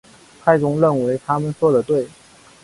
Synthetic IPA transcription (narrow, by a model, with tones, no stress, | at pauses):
pʰa˥˩ɪt͡sʊ˧˥ŋɻə˥˩nwe˧˥ɪt̪ʰa˥mə˨nt͡swɔ˥˩d̪ə˩t̪we˥˩ɪ